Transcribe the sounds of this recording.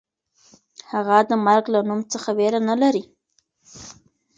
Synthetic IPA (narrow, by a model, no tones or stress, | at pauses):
haɣad̪əmaɾɡlanumt͡səxaweɾanalaɾi